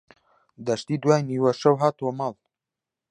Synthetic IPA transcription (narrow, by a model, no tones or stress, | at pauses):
d̪aʃt̪id̪wajniwaʃawɦat̪omal